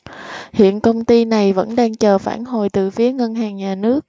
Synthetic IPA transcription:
hḭ˧˨ənkə˧wŋ͡mt̪i˧na˨˩jvə̰˧˥nɗaː˧ŋt͡ɕəː˨˩faː˧˩nho˨˩jt̪ɨ̰˧˨fi˨˦əŋə˧nɦaː˨˩ŋɲaː˨˩nɨ˦˥ək̚

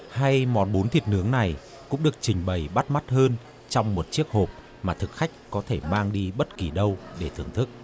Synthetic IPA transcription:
ha˧jmɔ̰˨˩nɓo˨˦nt̪ʰi˨˩ət̚nɨ˨˦əŋna˨˩j | kʊ̰˧˥ŋ͡mɗɨ˨˩ək̚t͡ɕï˨˩ŋ̟ɓə˨˩jɓa˦˥t̚ma˦˥t̚həː˧n | t͡ɕɔ˧wŋ͡mmo˨˩t̚t͡ɕi˦˥ək̚ho˨˩p̚ | maː˨˩t̪ʰɨ˨˩k̚xa˦˥jk̟̚kɔ˨˦t̪ʰe˧˩maː˧ŋɗi˧ɓə˦˥t̚ki˨˩ɗə˧wɗe˧˩t̪ʰɨ˨˩əŋt̪ʰɨ˦˥k̚

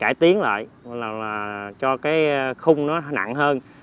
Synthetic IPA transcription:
kaː˧˩jt̪i˨˦əŋla̰ː˧˨jlaː˨˩laː˨˩t͡ɕɔ˧kaː˨˦jxʊ˧ŋ͡mnɔ˨˦na̰˧˨ŋɦəː˧n

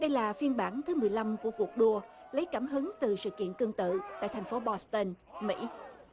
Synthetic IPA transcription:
ɗə˧jlaː˨˩fi˧ənɓaː˧˩nt̪ʰɨ˨˦mɨ˨˩əjla˧mku˧˩əku˨˩ək̚ɗu˧ələ˨˦jkaː˧˩mɦɨ˨˦ŋt̪ɨ˨˩sɨ̰˧˨kḭ˧˨ənkɨ˧əŋt̪ɨ̰˧˨t̪a̰ː˧˨jt̪ʰŋ̟fo˨˦ɓɔ˧st̪ə˧nmḭ˧˥

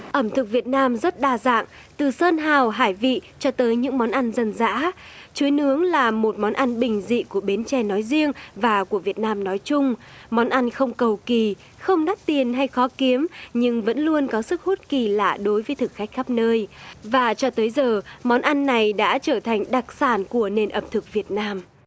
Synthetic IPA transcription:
ʔə˧˩mt̪ʰɨ˨˩k̚vi˨˩ət̚naː˧mzə˦˥t̚ɗaː˧˩za̰ː˧˨ŋ | t̪ɨ˨˩səː˧nɦaː˨˩wɦaː˧˩jvḭ˧˨t͡ɕɔ˧t̪əː˨˦jɲɨ̰˧˥ŋmɔ˨˦nʔa˧nzə˧˩nza̰ː˧˥t͡ɕu˨˦jnɨ˨˦əŋlaː˨˩mo˨˩t̚mɔ˨˦nʔa˧nɓï˨˩ŋ̟zḭ˧˨ku˧˩əɓe˨˦nt͡ɕɛ˧˩nɔ˨˦jzi˧əŋvaː˨˩ku˧˩əvi˨˩ət̚naː˧mnɔ˨˦jt͡ɕʊ˧ŋ͡mmɔ˨˦nʔa˧nxə˧wŋ͡mkə˨˩wki˨˩ | xə˧wŋ͡mɗa˦˥k̚t̪i˨˩ənɦa˧jxɔ˨˦ki˨˦əmɲɨ˧ŋvə̰˧˥nlu˧ənkɔ˨˦sɨ˦˥k̚ho˦˥t̚ki˨˩la̰ː˧˩ɗo˨˦jvəː˨˦jt̪ʰɨ˨˩k̚xa˦˥k̟̚xa˦˥p̚nəː˧jvaː˨˩t͡ɕɔ˧t̪əː˨˦jzəː˨˩mɔ˨˦nʔa˧nːa˨˩jɗa̰ː˧˥t͡ɕəː˧˩t̪ʰa˨˩jŋ̟ɗa˨˩k̚saː˧˩nku˧˩əne˨˩nʔə˨˩p̚t̪ʰɨ˨˩k̚vi˨˩ət̚naː˧m

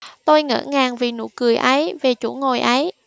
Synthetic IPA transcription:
t̪o˧jŋə̰ː˧˥ŋaː˨˩ŋvi˨˩nṵ˧˥kɨ˨˩əjʔə˨˦jve˨˩t͡ɕṵ˧˩ŋo˨˩jʔə˨˦j

